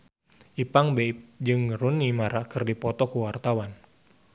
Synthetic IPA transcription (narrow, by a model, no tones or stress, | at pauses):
ʔipaŋbep̚d͡ʒɨŋrunimaɾakɨrdipɔt̪ɔkuwart̪awan